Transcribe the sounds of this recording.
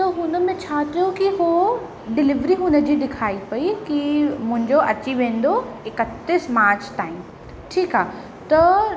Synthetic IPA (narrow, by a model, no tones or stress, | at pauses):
t̪ɐɦʊnə̆mẽt͡ɕʰaːt̪ijokiɦo | ɖɪlɪʋɾiɦʊnə̆d͡ʑiːɗ̪ɪkʰaːipɐikimʊ̃ɦɪ̃ɲd͡ʑoʔɐt͡ɕiʋẽːn̆d̪oɪkət̪ːɪsmaːɾt͡ɕt̪aːɪm | ʈʰiːkaː | t̪ɐ